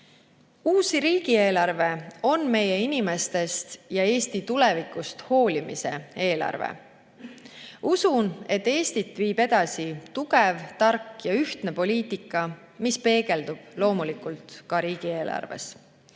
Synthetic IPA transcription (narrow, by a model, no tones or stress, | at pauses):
uːsiɾiːɡ̥ie̞ːlɑrve̞o̞nme̞je̞inʲime̞st̪e̞st̪jɑe̞ːst̪it̪ulɛvikˑust̪ho̞ːlimise̞̰e̞ːlɑ̰rvḛ | usune̞t̪ːe̞ːst̪it̪viːbe̞d̪̥ɑsit̪uɡevt̪ɑrkːjɑyht̪ne̞po̞lʲiːt̪ˑikːˑɑ | mispe̞ːɡ̥e̞ld̪ub̥lo̞ːmulikult̪kɑɾiːɡ̥ie̞ːlʔɑ̰rve̞̰s